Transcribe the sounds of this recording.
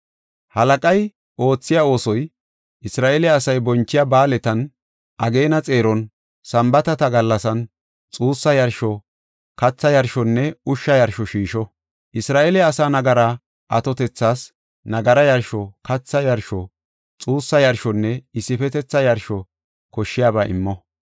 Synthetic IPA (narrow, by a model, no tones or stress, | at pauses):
hɐlɐkʼɐj | ʔo̞ːt͡sːɪjao̞ːsɔj | ʔɪsɾaːʔeːlɪːsɐjbɔnt͡ʃːɪjabaːlɛt̪ɐn | ʔɐɡe̞ːnɐt͡sʼe̞ːɾɔn | sɐmbɐt̪ɐt̪ɐɡɐlːɐsɐn | t͡sʼuːsːɐjɐɾʃɔ | kɐt͡sːɐjɐɾʃɔnːɛʊʃːɐjɐɾʃɔʃiːʃɔ | ʔɪsɾaːʔeːlɪːsaːnɐɡɐɾaː | ʔɐt̪ɔt̪ɛt͡sːaːs | nɐɡɐɾɐjɐɾʃɔkɐt͡sːɐjɐɾʃɔ | t͡sʼuːsːɐjɐɾʃɔnːɛɪsːɪfɛt̪ɛt͡sːɐjɐɾʃɔ | kɔʃːɪjaːbaːʔɪ̰mːɔ